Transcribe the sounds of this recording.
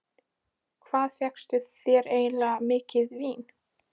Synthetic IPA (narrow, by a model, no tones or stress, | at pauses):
kʰvaːðθjɛkst̪ʏθθjɛɾeːjnlamɪːcɪðviːn